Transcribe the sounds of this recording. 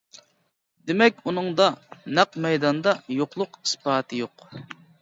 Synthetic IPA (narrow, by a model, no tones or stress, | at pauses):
d̪ɪmɛkʲunɨŋd̪ɑnæqmɛjd̪ɑnd̪ɑjoqlˠʊqi̥spɑːt̪ʰɨjoq